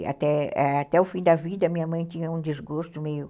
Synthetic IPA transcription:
a̰t̪ɛɛat̪ɛʊfĩd̪ɐvid̪ɐmĩɲɐmɐ̃j̃t̪ĩɲɐũd͡ʒ̪izɡost̪ʊmejʊ

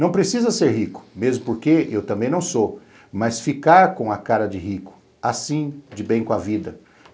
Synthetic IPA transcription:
nɐ̃w̃pɾesizɐseɾɦikʊ̥mezmʊpoɾkeewt̪ɐ̃mbẽj̃nɐ̃w̃so | mɐsfikaɾkõɐkaɾɐd͡ʒɪɦikʊ̥ | asĩd͡ʒɪbẽj̃kõavid̪ɐ

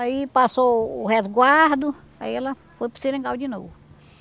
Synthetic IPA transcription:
aipasoːhezɡwaɾd̪ʊ | a̰iɛlɐ | fojpʊsiɾẽŋɡawd͡ʒino̰vʊ

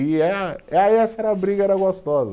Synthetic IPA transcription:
iɛaɛsɐɛɾɐabɾiɡɐɛɾɐɡost̪ɔzɐ

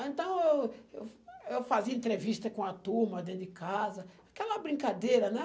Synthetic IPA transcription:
ẽnt̪ɐ̃w̃ewewewfaziɐẽnt̪ɾeviʃt̪ɐkõɐt̪uɾmɐd̪ẽnt̪ʊɪkazɐakɛlɐbɾĩŋkad̪ejɾɐnɛ

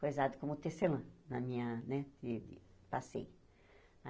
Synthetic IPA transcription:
fojuzad̪ʊkõmʊt̪eselɐ̃nɐmĩɲɐnɛd̪ɪd̪ɪpasḛjʊ | a

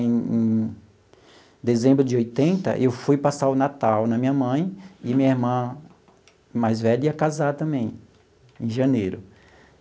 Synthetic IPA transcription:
ẽẽ | d̪ezẽmbɾʊd͡ʒɪojt̪ẽnt̪ɐ̰ʔewfujpasaɾʊnat̪awnɐmĩɲɐmɐ̃j̃ɪɐmĩɲɐiɾmɐ̃ | majzvɛʎiɐkazat̪ɐ̃mbẽj̃ | ẽj̃ʒɐ̃nejɾʊ

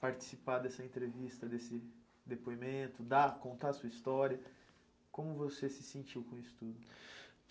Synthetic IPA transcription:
paɾt͡ʃi̥sipad̪ɛsɐẽnt̪ɾevist̪ɐd̪esɪ | d̪epoimẽnt̪ʊd̪akõnt̪aɐsuɐist̪ɔɾiɐ | kõmʊvosesɪsẽnt͡ʃiwkõisʊ̥t̪ud̪ʊ

